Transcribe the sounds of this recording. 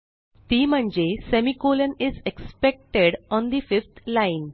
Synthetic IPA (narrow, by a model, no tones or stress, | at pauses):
t̪iːm̤əɳd͡ʑesemikolənizekspek̚ʈeɽɔnd̪ifift̪ʰlain